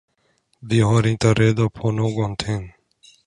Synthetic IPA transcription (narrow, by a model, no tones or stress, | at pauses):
d̪iɦɔːɾĩːt̪aɾeːd̪oːpʰoːnoːɡont̪ʰeːn